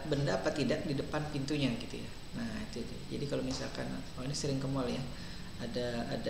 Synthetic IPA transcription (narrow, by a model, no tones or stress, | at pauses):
bəndaːpat̪idak̚didəpanpint̪uɲaɡit̪ṵja̰ | nahit̪udṵd͡ʒa̰dikalomisa̰lka̰n | wainisəɾɪŋkəmalja | adaːda